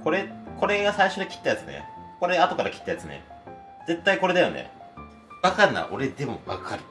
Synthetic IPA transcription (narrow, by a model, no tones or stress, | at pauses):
ko̞ɾe̞ko̞ɾe̞ɡasaiɕo̞d̪ekʲi̥t̪ːajat͡sɨnḛko̞ɾeat̪o̞kaɾakʲi̥t̪ːajat͡sɨnḛ | d͡ze̞t̪ːaiko̞ɾe̞d̪ajo̞̰nḛ | βakaɾɯna̰ʔo̞ɾed̪e̞mo̞βa̰kʰaɾɯ̟